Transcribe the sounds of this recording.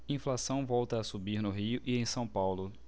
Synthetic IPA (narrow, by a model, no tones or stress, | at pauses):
ĩflasɐ̃w̃vɔwt̪ɐːsubiɾnʊɦiʊʔiẽj̃sɐ̃w̃pawlʊ